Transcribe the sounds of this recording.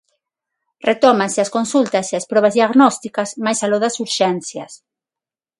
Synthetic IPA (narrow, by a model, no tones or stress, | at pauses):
ret̪ɔmanseaskonsult̪aseaspɾɔβ̞azðiaɣnɔst̪ikasmajsaloðɐsuɾʃɛnθjɐ̰s